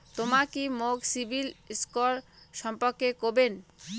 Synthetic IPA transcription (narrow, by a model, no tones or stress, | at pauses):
t̪omakimoɡsibʱilskoɾʃɔmpoɾkekoben